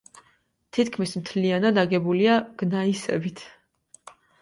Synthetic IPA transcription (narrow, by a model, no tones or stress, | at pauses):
t̪ʰit̪kʰmismt̪ʰlianad̪aɡɛbuliaɡ̥naisɛ̰bit̪ʰ